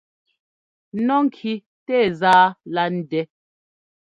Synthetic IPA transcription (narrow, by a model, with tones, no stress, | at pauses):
nɔ˦ŋ̩˦˨kʰi˦ | tɛ˦˨zaː˦la˦n̩˦dɛ˨˦